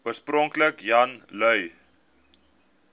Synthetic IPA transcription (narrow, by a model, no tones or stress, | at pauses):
uərsprɔŋkləkjɐnlœɥ